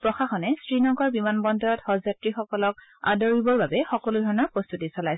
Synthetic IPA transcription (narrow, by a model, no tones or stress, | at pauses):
pɹɔxaxɔnɛsɹinɔŋɡkɔɹbimanbɔndɔɹɔtxɔzatɹixɔkɔlɔk̚a̰dɔɹibɔɹbabɛxɔkɔlʊdʱɔɹɔnɔɹpɹɔst̪utisɔlajs